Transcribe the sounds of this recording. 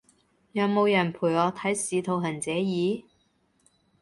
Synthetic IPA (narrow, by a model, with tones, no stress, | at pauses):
jɐ˨˧wmo˨˧wjɐ˨˩npʰuː˨˩jɔː˨˧t̪ʰɐ˨˥jsiː˨˧t̪ʰo˨˧wɦɐ˨˩nt͡sɛː˨˥jiː˨˧˥